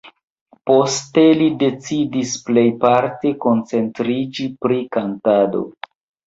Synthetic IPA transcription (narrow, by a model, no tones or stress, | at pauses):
po̞ste̞lide̞t͡sidisple̞jpaɾte̞ko̞nt͡se̞ntɾid͡ʒipɾikantado̞̰